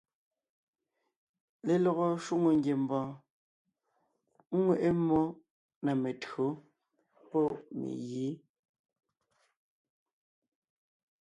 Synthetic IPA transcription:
le˨lɔ˨ɣɔ˨ʃwu˦ŋo˨ŋ˦ɡje˨m̩˨bɔ̃ː˨˦ | ŋwe˦˨ʔe˦mːɔ˦ | na˨me˨tɰo˨˦ | pɔ˦mḛ˨ɣiː˨˦

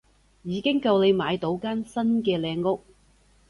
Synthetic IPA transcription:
jiː˨˧kɪ˥ŋkɐ˧wnle˨˧jmaː˨˧jt̪o˨˥wkaː˥nsɐ˥nkɛː˧lɛː˧ŋːʊ˥k̚

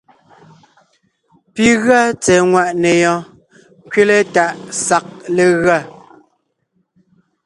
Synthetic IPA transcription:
pi˦ɣɰa˦t͡sɛ˨ŋwa˦˨ʔne˨jɔ̃˨˦ | ŋ˦kɥe˦le˦ta˨ʔsa˨k̚le˨ɣɰa˦˨

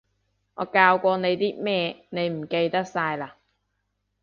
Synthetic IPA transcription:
ŋɔ̰ː˨˧kaː˧wkʷɔː˧ne˨˧jt̪iː˥mɛː˥ne˨˧jm̩˨˩ke˧jt̪ɐ˥k̚saː˧jlaː˧˩

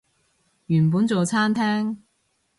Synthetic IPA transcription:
jyː˨˩npuː˨˥nt͡so˨wt͡sʰaː˥nt̪ʰɛː˥ŋ

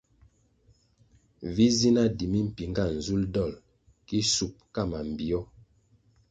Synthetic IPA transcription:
vi˦zi˦na˦di˨mi˦m̩˨pi˨ŋɡa˦˨n̩˨zu˦ldɔ˦˨l | ki˦su˨p̚ka˦˨ma˨m̩˨bi˨ɔ˦

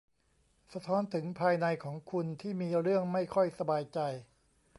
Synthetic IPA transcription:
sa˧t̪ʰɔː˦˥nt̪ʰɯ˩˦ŋpʰaː˧jna˧jkʰɔː˩˦ŋkʰu˧nt̪ʰiː˥˩miː˧ɾɯ˥˩əŋma˥˩jkʰɔ˥˩jsa˧baː˧jt͡ɕa˧j

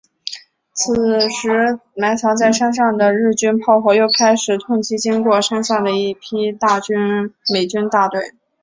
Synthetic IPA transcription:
t͡s̩ʰ˨˩ʂɻ̩˧˥ma˧˥ɪt͡sʰjɑ˧˥ŋt͡sa˥˩ɪʂa˥nʂ̬ɑ˥˩ŋd̪ə˩ɻɻ̩˥˩t͡ɕy˥npʰɑ˥˧ʊxwɔ˧˥jo˥˩ʊkʰa˥ɪʂɻ̩˨˩t̪ʰʊ˥˩ŋt͡ɕʰi˥t͡ɕi˥ŋkwɔ˥˩ʂa˥nɕjɑ˥˩ŋd̪ə˩i˥˩pʰi˥t̪a˥˧t͡ɕy˥nme˨˩ɪt͡ɕy˥nt̪a˥˧t̪we˥˩ɪ

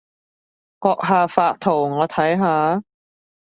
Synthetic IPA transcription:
kɔː˧k̚ɦaː˨˧faː˧k̚t̪ʰʊ˨˩wŋɔː˨˧t̪ʰɐ˨˥jɦaː˨˧

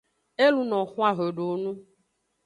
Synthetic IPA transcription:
e˦lu˦nɔ̃˨xũ˦a˨ɣe˨ɖo˨˦nũ˦

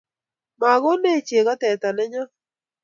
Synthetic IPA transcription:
ma˨ɣo˦ne˦˨t͡ʃe˨ɣa˦tɛ˨t̪a˨nɛ˦ɲɔ˦

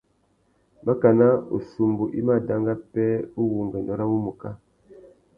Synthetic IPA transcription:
ma˦ka˨na˦ṵ˨su˨mbu˨ʔi˦ma˦˨da˦ŋɡa˦pɛ˦u˦wu˨ŋɡɛ˨ndɔ˦ɾa˦wu˦mu˨ka˦

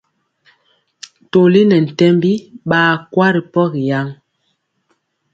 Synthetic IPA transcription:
to˨li˦nɛ˨n̩˨tɛ˦mbi˦ɓaː˨kwa˦ɾi˨pɔ˦ɣi˨ja˦ŋ

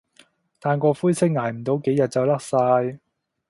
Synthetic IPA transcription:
t̪ʰaː˨˧nkɔː˧fuː˥jsʰɪ˥k̚ŋaː˨˩jm̩˨˩t̪o˨˥wke˨˥jɐ˨t̚t͡sɐ˨wlɐ˥k̚saː˧j

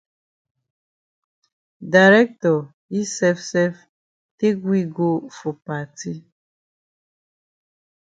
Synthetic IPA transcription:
da˨ɾɛ˦k̚tɔ˨ | i˦sɛ˦fsɛ˦f | te˦ɡwi˦ɡo˦fo˨pa˨ti˦

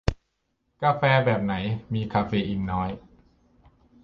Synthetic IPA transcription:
kaː˧fɛː˧bɛː˨˩p̚na˩˦jmiː˧kʰaː˧feː˧ʔiː˨˧˩ŋnɔː˦˥j

